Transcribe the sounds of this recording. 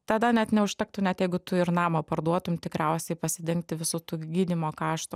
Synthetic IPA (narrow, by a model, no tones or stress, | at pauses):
t̪ɐd̪ɐnʲɛt̪nʲɛʊʃʲt̪ʲɛk̚t̪ʊnʲɛt̪jɛɪɡʊt̪ʊɪɾnɑːmɐpɐɾd̪uɔt̪ʊmt̪ʲɪkɾʲɛʊsʲɛɪpɐsʲɪd̪ʲɪŋk̚t̪ʲɪʋʲɪsut̪uːɡʲiːd̪ʲimoːkɑːʃt̪ʊ